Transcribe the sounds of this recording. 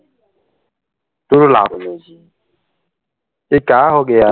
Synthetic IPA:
tʊɾʊlaɾʊnozi | ɪkaaɦʊɡɪja

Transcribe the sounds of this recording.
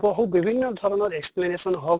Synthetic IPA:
bɔɦubibʱinːɔd̪ʱɔɾɔnɔɾeksplenesɔnɦɔ

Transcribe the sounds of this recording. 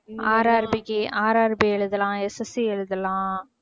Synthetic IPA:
aːɾaːɾbɪkːiʔaːɾaːɾbiɛɭɯðɐlãːɛsɐsiɛɻɯðɐlãː

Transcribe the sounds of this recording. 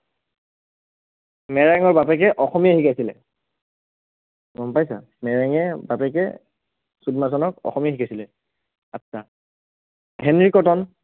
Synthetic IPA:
mɛɹaŋɔɹbapɛkɛʔɔxɔmijahikajsilɛ̰ | ɡɔmpajsa̰ | mɛɹaŋɛbapɛkɛ̰ | sudmasɔnɔkɔ̰xɔmijaxikasilɛ | atːsʰa | ɦɛnɹikɔtɔn

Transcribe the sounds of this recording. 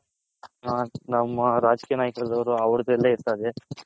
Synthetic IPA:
ɦaːnɐmːɐɾaːd͡ʒkiːjɐnaːjkɐd̪ɐʋɾuɐʋɾud̪ɛlːeiɾt̪aːd̪e

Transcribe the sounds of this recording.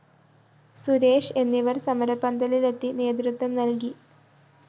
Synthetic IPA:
suɾe̞ːʂe̞nːiʋɐrsɐmɐɾɐpːɐnd̪ɐlile̞t̪ːine̞ːd̪̬ɾut̪ʋɐmnɐlki

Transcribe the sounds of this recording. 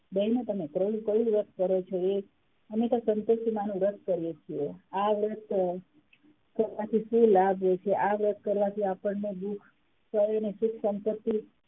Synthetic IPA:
d̪ɛɦnẽt̪əmekɾolũkəɽũɾət̪̚ʰkəɾot͡ʃʰoe | əmet̪osənt̪osimanũɾət̪̚ʰkəɾjet͡ʃʰieaʋɾət̪̚ʰ | kəɾʋat̪ʰiʃũlabʱɦojt͡ʃʰeʔaʋɾət̪̚ʰkəɾʋat̪ʰiapəɳneb̪ukʰ | səɾnesukʰsəmpət̪ːi

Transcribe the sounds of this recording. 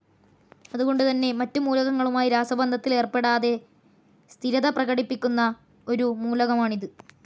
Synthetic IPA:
ɐðuɣo̞ɳɖɨt̪ɐnːe̞mɐtːumuːlɐɣɐŋːɐɭumaːjiɾaːsɐbɐnd̪ʱɐt̪ːile̞ːrpe̞ɽaːðe̞ | st̪ʰiɾɐðɐprɐɣɐɽipːikʲːunːɐ | o̞ɾumuːlɐɣɐmaːɳiðɨ

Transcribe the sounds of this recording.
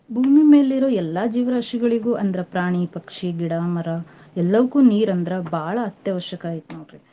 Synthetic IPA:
bʱuːmime̞ːliɾoːɛlːaːd͡ʒiːʋɾɐːʂiɡɐɭiɡuːʔɐnd̪ɐɾɐpɾaːɳ̃ipɐkʂiɡiɽaːmɐɾɐ | ɛlːɐʋɐkuːniːɾɐnd̪ɾɐbʱaːɭɐːt̪jɐʋɐʃjɐkaːjit̪nuɾi

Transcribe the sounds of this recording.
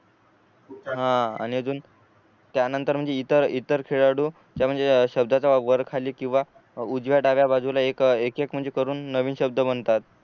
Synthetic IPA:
ɦãa̰ñiəd͡zuːn | t̪janənt̪əɾm̤əɳd͡zeit̪əɾit̪əɾkʰeɭaɽuː | d͡ʑjam̤əɳd͡zeɕəb̚d̪ʱat͡saʋəɾkʰaliːkĩw̃ʋa | ud͡zʋjaʈaʋjabad͡zʱulaekekekm̤əɳd͡zekəɾuːnːəʋiːnɕəb̚d̪əbənt̪at̪̚

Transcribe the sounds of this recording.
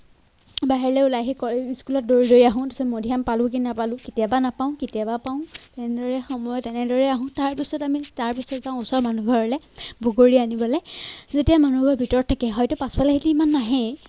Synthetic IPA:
baɦiɹlɛulajxekɔiskulɔt̚doɹidoɹiaɦʊ̃tasɛmodʱijampalʊ̃k̬innapalʊ̃ketijabanapaʊ̃ketiabapaʊ̃tɛnɛdɔɹɛxɔmɔjɔtɛnɛdɔɹɛaɦʊ̃taɹpisɔtamitaɹpisɔtzãʊ̃ʊsɔɹmanuɡʱɔɹɔlɛ | bʱoɡoɹianibɔlɛzetijamanuɡʱɔɹbʱitɔɹɔt̚ʰakɛɦɔjtʊpaspalaɦitiːmanːaɦɛ̃

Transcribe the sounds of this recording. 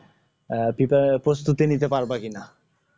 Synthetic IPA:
pipapɾost̪ut̪init̪epaɾbakina

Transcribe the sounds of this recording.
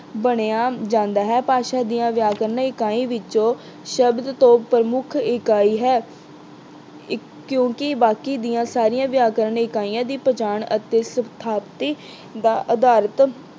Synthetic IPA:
bəɽeaːd͡ʒãːnd̪aːɦɛːpaːʃaːd̪ijãːʋjaːkəɾənɪkaːĩːʋɪt͡ʃõː | ʃəbd̪t̪õːpɾəmʊkʰɪkaːiːɦɛː | kjõːkɪbaːkiːd̪ijãːsaːɾijãːʋjaːkəɾəɳɪkaːijãːd̪iːpət͡ʃaːɳət̪eːsət̪ʰaːpt̪iː | d̪aːʔəd̪aːɾət̪

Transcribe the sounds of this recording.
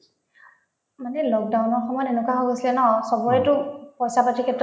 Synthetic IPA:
manɛlɔk̚dawnɔɹxɔmɔjɔtenʊkaɦɔɡosilɛnɔsɔbɔjtʊpɔsapatʰikʰɛt

